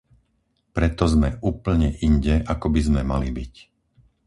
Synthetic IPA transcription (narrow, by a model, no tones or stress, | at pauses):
pɾɛt̪ɔzmɛʔuːpl̩ɲɛʔiɲɟɛʔakɔbizmɛmalibic